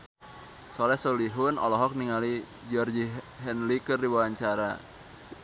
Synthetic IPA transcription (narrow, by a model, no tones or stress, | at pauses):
sɔlɛhsɔliɦʊnɔ̰lɔɦɔk̚niŋali | d͡ʒɔrd͡ʒi | ɦɛnlikɨrdiwawaɲt͡ʃaɾa